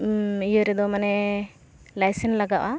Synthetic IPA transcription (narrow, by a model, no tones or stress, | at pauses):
ijəɾɛd̪ɔmanɛ | lajsɛnlaɡaʔwʔa